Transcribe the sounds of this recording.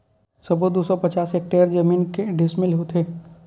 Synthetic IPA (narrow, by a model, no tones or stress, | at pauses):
sɐbod̪usɔpɐt͡ʃaːsek̚ʈeːəɾd͡ʒəmiːnkeɖɪsmɪlɦot̪ʰeː